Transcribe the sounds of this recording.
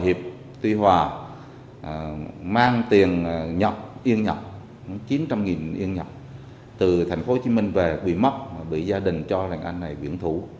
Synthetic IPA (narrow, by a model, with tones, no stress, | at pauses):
jhi˨˩əp̚ | t̪wi˧hwaː˨˩ | maː˧ŋt̪i˨˩ənɲə˨˩p̚ʔi˧əŋɲə˨˩k͡p̚ | t͡ɕi˨˦nt͡ɕa˧mŋi˨˩nʔi˧əŋɲə˨˩k͡p̚ | t̪ɨ˨˩t̪ʰa˨˩ŋ̟fo˨˦t͡ɕi˨˦mï˧ŋ̟ve˨˩kwi˧˩ma˦˥t̚maː˨˩ɓḭ˧˨zaː˧ɗï˨˩ŋ̟t͡ɕɔ˧la̰˨˧˨ŋ̟ʔa˧jŋ̟na˨˩jkwḭ˧˩ənt̪ʰu˧˩